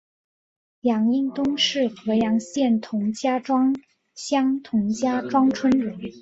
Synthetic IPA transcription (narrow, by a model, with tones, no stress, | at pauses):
jɑ˨˩ŋi˥˩ŋt̪ʊ˥ŋʂɻ̩˥˩xɤ˧˥jɑ˧˥ŋɕjɛ˥˩nt̪ʰʊ˧˥ŋt͡ɕja˥ʈ͡ʂwɑ˥ŋ | ɕjɑ˥ŋt̪ʰʊ˧˥ŋt͡ɕja˥ʈ͡ʂwɑ˥ŋʈ͡ʂʰwə˥nɻə˨˧˥n